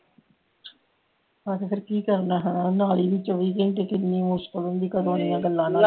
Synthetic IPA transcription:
akəkʰəɾkiːkəɾnaːɦɛnaːnaːliːʋɪt͡ʃəʋiːkẽːt̪eːkɪnːiːmʊskəlɦʊnd̪iːkəd̪õːnijãːɡəlːãːnaː

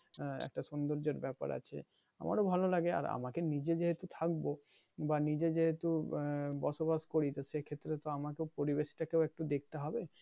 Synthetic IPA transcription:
ɛ̰k̚ʈaʃund̪oɾd͡ʑoɾbɛpa̰ɾʔa̰t͡ɕʰḛ | a̰mʔa̰ɾobʱalolaɡea̰ɾa̰makenid͡ʑed͡ʑeɦet̪ut̪ʰak̚bo | banid͡ʑed͡ʑeɦet̪ubɔʃobaʃkoɾit̪oʃekʰet̪ːɾet̪oamakewpoɾibeʃi̥ʈakewek̚ʈud̪ek̚t̪eɦɔbe

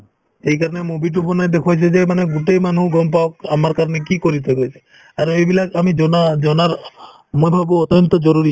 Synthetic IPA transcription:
ejkaɾɔnemubiʈ̬upɔnajd̪ekʰat͡ʃʰed͡ʒemaneɡuʈejmanũɡɔmp̬aokamaɾkaɾɔnekikɔɾit̪ʰekot͡ʃʰe̥ | aɾɔebilakamid͡ʒɔnad͡ʒɔnaɾ | mujbʱabuɔt̪jɔnt̪ɔd͡ʒɔɾuɾi

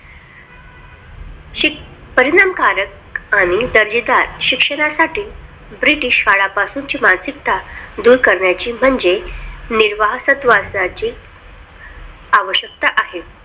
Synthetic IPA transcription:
ɕi | pəɾiɽamkaɾək̚ | aɽ̃id̪əɾd͡ʑid̪aɾɕikʂəɽ̃asaʈiː | bɾiʈiːʂhaɭapasuːɲt͡ɕiːmansikt̪ad̪uːɾkəɾɳjat͡ɕiːm̤əɳd͡zeniɾʋaɦsət̪ʋasat͡ɕiː | aʋəɕjək̚t̪aʔaɦe

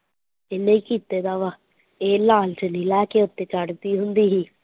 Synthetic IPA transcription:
ɪnːeĩːkiːt̪eːd̪aːʋaː | eːlaːlt͡ʃənĩːlɛːkeːʊt̪ːeːkəɽt̪iːɦʊnd̪iːɦiː

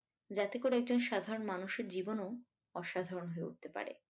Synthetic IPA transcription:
d͡ʑat̪ekoɾɛk̚d͡ʑonʃad̪ʱaɾonmanuʃeɾd͡ʑibono | ɔʃad̪ʱaɾonɦoeṵʈ̚t̪epa̰ɾḛ

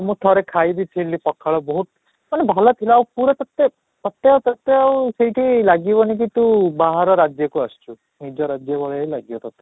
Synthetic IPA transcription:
mũt̪ʰɔɾekʰajd̪it̪ʰilipɔkʰːaɭɔbɔɦut̪̚ | manebʱalɔt̪ʰilɔawpuɾɔt̪ɔt̪ːe | ɔt̪ːeawt̪ɔt̪ːeawseiʈʰilaɡibɔnik̬it̪ubaɦaɾɔɾad͡ʒjɔkuast͡ʃʰu | nid͡ʒɔɾad͡ʒjɔbɔɭeilaɡiɔt̪ɔt̪e

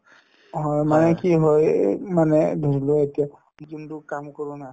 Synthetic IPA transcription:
ɦɔjmanɛkiɦɔjmanɛdʱoɹiloetija | d͡ʒundukamkɔɹuna

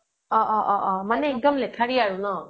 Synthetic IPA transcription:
ɔʔɔʔɔʔɔmanɛiŋkɔmlɛkʰaɹiaɹunɔ

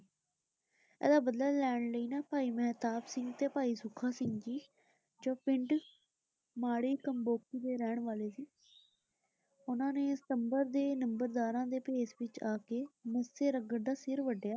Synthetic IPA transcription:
ɛ̰ːd̪aːbəd̪laːlɛːɳləiːnaːpaːiːmɛːt̪aːbsɪŋɡt̪eːpaːiːsʊkʰːaːsɪŋɡd͡ʒiː | d͡ʒõːpɪ̃ɳʈ | maːɽiːkəmboːkiːd̪eːɾɛːɳʋaːleːsiː | ʊnãːneːsɪ̥t̪əmbəɾd̪eːnəmbəɾd̪aːɾãːd̪eːpeːsʋɪt͡ʃaːkeːmɪsːeːɾəɡəɽd̪aːsɪɾʋəɖjaː

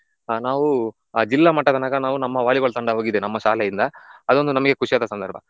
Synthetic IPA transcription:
naːʋu | aːd͡ʒilːaːmɐʈːɐd̪ɐnaːɡɐnaːʋunɐmːɐʋaːɭiɡɐɭɐt̪ɐɳɖɐɦoːɡid̪enɐmːɐʃaːlɛjind̪ɐːd̪o̞nd̪unɐmɐɡekuʂijaːd̪ɐsɐnd̪ɐɾbʱɐ

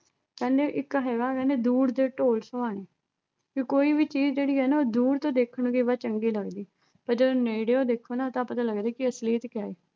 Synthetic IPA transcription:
kɛ̃ːnd̪eːʔɪkɦɛːɡaːkɛ̃ːnd̪eːd̪uːɽd̪eːʈoːlsəʋaːɽ̃eː | kikoːiːʋiːt͡ʃiːzd͡ʒeːɽiːɦɛːnaoːd̪uːɽt̪õːd̪eːkʰəɳɡiːʋaːt͡ʃəŋɡiːləɡd̪iː | pəɾd͡ʒəd̪oːneiɽeːoːd̪eːkʰːoːnãːt̪ãːpət̪aːləɡd̪eːkɪəsliːt̪kɪaːeː

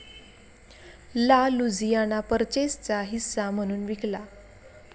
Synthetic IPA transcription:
lalud͡zijanapəɾt͡ɕest͡saɦisːam̤əɽ̃uːnʋikla

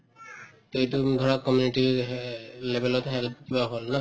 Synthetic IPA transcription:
t̪ejtud̪ʱɔɹakːɔmjuniʈi | lebʱelɔtɦɛlp̚ʰibaɦolna

